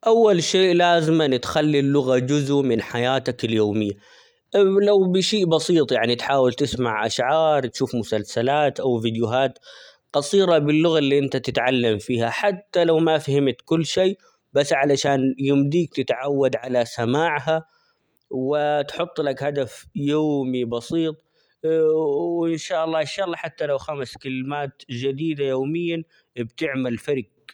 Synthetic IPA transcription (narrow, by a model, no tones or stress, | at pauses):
ʔawːalʃeːʔlaːzɪmanɪt̪xalːilːʊɣad͡ʒʊzʊʔmɪnħajaːt̪akɪljoːmɪjːa | lawbɪʃiːʔbɑsiːt̪ˤjaʕnit̪ħaːwɪlt̪ɪsmaʕʔa̰ʃʕɑːɾˤt̪ʃuːfmʊsalsalaːt̪ʔawvid̪jʊɦaːt̪ | qɑsˤiːɾabɪlːʊɣalːiːʔɪnt̪at̪ɪt̪ʕalːamfiːhaħat̪ːalawmafahɪmt̪kʊlːʃeː | basːʕalaʃaːnjʊmd̪iːk̚t̪ɪt̪ʕawːad̪ʕalasamaːʕɦa | wɪt̪ħʊt̪ˤːlakhad̪afjoːmibɑsiːt̪ˤ | wʔɪnʃaːʔɑlˤːɑːʔɪnʃaːʔɑlːɑːħat̪ːalawxamskɪlmaːt̪d͡ʒad̪iːd̪ajoːmɪjːan | bt̪ɪʕmalfaɾɪk̚